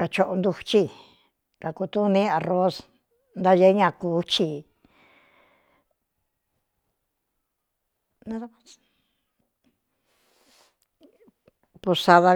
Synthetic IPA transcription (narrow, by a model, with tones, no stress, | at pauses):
ka˧t͡ʃo˧ʔo˧nd̪u˧t͡ʃi˧ | ka˨ku˧t̪u˦nĩ˦a˨ro˦s | nd̪a˦ʒe˧˦ɲã˧˨kuː˨˦t͡ʃi˧˨ | nã˦ | pu˧sa˧ða˧